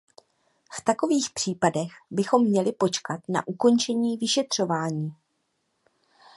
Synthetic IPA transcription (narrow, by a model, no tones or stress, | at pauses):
ft̪ako̞viːxpr̝̥iːpadɛxbɪxo̞mːɲɛlɪpo̞t͡ʃkat̪na̰ʔuko̞nt͡ʃɛɲiːvɪʃɛt̪r̝̥o̞vaːɲiː